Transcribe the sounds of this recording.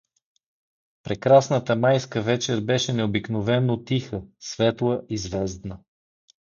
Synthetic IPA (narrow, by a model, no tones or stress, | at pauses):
pɾɛkɾasnət̪əmajskəvɛt͡ʃɛɾbɛʃɛnɛobiknovɛnːot̪ixəsvɛt̪lˠəʔizvɛzd̪nə